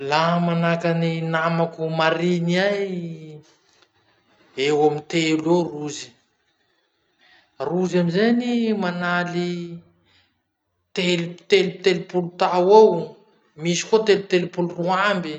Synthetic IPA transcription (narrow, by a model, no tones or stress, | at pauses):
laɦmanakaninamakumaɾiniaj | ewamint̪eloruzi̥ | ruzamizenimanali | t̪elut̪elut̪elupulut̪awaw | misi̥kot̪elut̪elupuluruambi